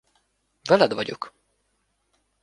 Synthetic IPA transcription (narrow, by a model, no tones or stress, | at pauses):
vɛlɛd̪vɒɟo̰k